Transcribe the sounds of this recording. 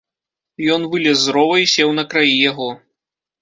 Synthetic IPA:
jɔnvɨlʲɛzːɾɔvɐjisʲɛwnɐkɾajijaɣɔ

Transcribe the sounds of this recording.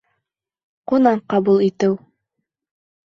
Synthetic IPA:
qunɑɴqɑβulˠit̪ɘw

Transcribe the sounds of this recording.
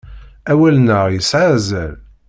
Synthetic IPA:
æwælnəʁjəsʕazæl

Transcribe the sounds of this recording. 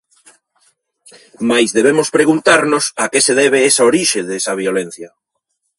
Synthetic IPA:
majzðeβ̞emospɾeɣunt̪aɾnosakeseðɛβ̞eesaoɾiʃeðesaβiolen̟θja

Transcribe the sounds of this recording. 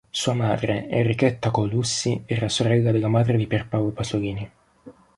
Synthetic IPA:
suːamaːd̪ɾeerːikɛt̪ːakolusːiɛːɾasoɾɛlːad̪elːamaːd̪ɾed̪iperpawlopasoliːni

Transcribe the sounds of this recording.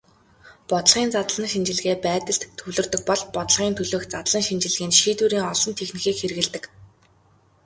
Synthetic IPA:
pɔt̪ə̆ɮʁiːnt͡sat̪əɮə̆nʃint͡ɕɪ̆ɮ̆ɣeːpæːt̪ə̆ɬt̪ʰːɵɮɵ̆rt̪ɵ̆k̚pɔɮpɔt̪ə̆ɮʁiːnt̪ʰɵɮoːkt͡sat̪̆ɮə̆nʃint͡ɕɪ̆ɮɣiːnʃiːt̪uːɾiːŋɔɮɞ̆nt̪ʰexnĭxiːkxerɣɘ̆ɮt̪ɘ̆k

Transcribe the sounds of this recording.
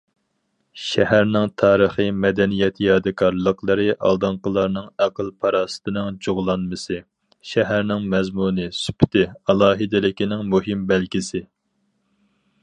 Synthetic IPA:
ʃɛhæɾnɪŋt̪ʰɑːɾəχɨmɛd̪ɛnijɛt̪ʰjɑːd̪ɨkʰɑɾlˠəqʰlˠəɾɨʔɑ̰lˠd̪ɨŋqəlˠɑɾnɨŋæqʰəlˠpʰɑɾɑːsɨ̥t̪ʰɨnɨŋd͡ʒoʁlˠɑnmɨsɨ | ʃɛɦæɾnɪŋmɛzmunɨsy̥pʰt̪ʰɪɑlˠɑːɦɨd̪ɪlɪkʲinɪŋmuɦɪmbɛlkʲisɪ

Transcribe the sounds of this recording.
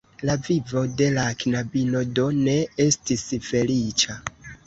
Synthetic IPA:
lavivo̞de̞laknabino̞do̞ne̞e̞stisfe̞lit͡ʃa

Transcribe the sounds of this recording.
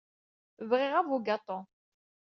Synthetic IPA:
vʁɪʁavuɡat̪ˤo

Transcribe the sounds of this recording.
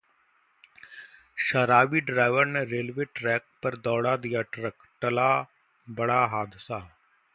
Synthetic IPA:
ʃəɾaːʋiːɖɾaːɪʋəɾneɾeːlʋeːʈɾɛːk̚pəɾd̪ɔːɽad̪ijaːʈɾək | ʈəlaː | bəɽaːɦaːd̪ɪsaː

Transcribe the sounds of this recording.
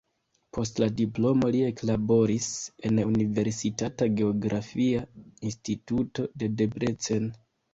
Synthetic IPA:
pʰo̞stladiplo̞mo̞lie̞klabo̞ɾise̞nunive̞ɾsitataɡe̞oɡɾʔafiainstituto̞de̞de̞bɾet͡se̞n

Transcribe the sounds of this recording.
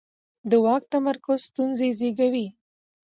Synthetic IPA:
d̪əwɑk̚t̪amaɾkʊzst̪unzezeɡawi

